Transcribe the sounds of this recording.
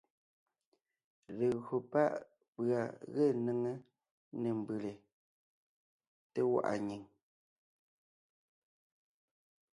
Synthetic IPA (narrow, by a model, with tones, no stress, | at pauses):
le˨ɣɰo˨pa˦˨ʔ | pɰa˨ɣe˦˨nə˦ŋe˦ | ne˨m˨bɯ˨le˨ | te˦wa̰˨ʔa̰˨ɲi˨ŋ